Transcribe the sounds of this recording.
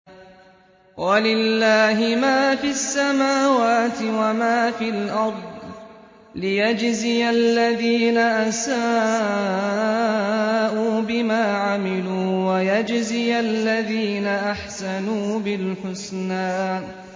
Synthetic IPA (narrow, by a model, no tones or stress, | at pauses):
walɪlːaːɦɪmaːfisːamaːwaːt̪ɪwamaːfilʔɑɾˤd̪ˤ | lɪjad͡ʒzɪjalːaðiːnaʔasaː | ʔuːbɪmaːʕamɪluːwajad͡ʒzɪjalːaðiːnaʔaħsanuːbɪlħʊsnaːn